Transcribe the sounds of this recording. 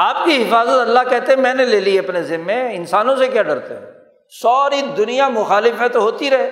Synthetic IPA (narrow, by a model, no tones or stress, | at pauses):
aːp̚kiɦɪfaːzət̪ɐlːaɦkɛɦt̪eɦɛ̃mɛ̃ːneleːlieɐpnezɪnːẽɪnsaːnõsekjaɖɐɾt̪eɦɛ̰̃ː | sɔːɾid̪ʊnijamʊxaːlɪfmẽt̪oɦoːt̪iɾɐɦeː